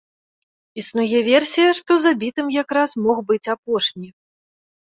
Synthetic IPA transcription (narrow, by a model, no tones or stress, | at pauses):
isnujɛvʲɛrsʲijɐʂt̪ɔzabʲit̪ɨmjakɾasmɔxbɨt͡sʲapɔʂnʲi